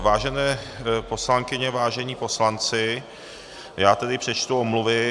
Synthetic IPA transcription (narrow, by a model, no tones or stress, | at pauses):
vaːʒɛnɛːpo̞slaŋkɪɲɛvaːʒɛɲiːpo̞slant͡sɪ | jaːt̪ɛdɪpr̥ɛt͡ʃt̪uomluvɪ